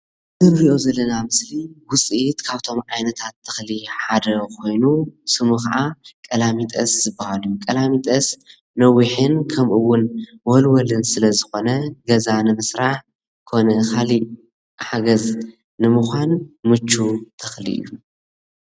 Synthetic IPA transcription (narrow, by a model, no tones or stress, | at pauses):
zɨɾɾiʔo̞zɐlːɐnamɨsliwʊt͡sʼit̪kʰaβt̪ʰo̞mʕajnɐt̪ʰat̪ʰːɨ̥xliħad̪ɐkʰo̞jnusɨmukɐʔakʼɐlamit̪ʼɐszɨbːahalujukʼɐlamit̪ʼɐs | nɐwiħɨnkʰɐmʔɨwːʊnwɔlwɔlɨnsɨlɐzɨxo̞nɐɡɐzanɨmɨsɾaħ | kʰo̞nɐkʰali | ħaɡɐz | nɨmuxʷanmɨt͡ʃːut̪ʰɨxlḭʔɨ̰jːu